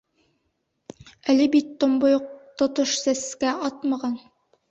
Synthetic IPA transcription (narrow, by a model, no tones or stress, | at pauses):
ælɘbit̪ːŏmbojoq̚t̪ŏt̪oʃsæskæɑt̪mɑʁɑn